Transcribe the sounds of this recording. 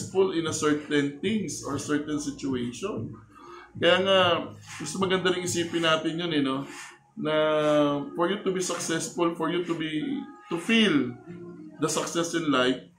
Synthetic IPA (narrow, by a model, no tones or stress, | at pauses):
sfʊlɪ̃nɐsɛɹt̪ɛnt̪ɪŋsoɹsɛɹt̪ɛnsɪt͡ʃʊejʃon | kɐjaːŋaɡʊst̪omɐɡɐnd̪ɐɾɪŋʔɪsiːpɪnaːt̪ɪnjonɛno̞ | nɐ | fɔɹjut̪ʊbisɐksɛsfʊlfɔɹjut̪ʊbit̪ʊfil | d̪ɐsɐksɛsɪ̃nlajf̚